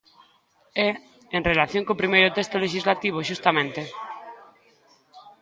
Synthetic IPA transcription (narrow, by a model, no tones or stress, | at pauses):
e | enrelaθjoŋkopɾimejɾot̪est̪oleʃ̬izlat̪iβ̞oʃust̪amẽnt̪e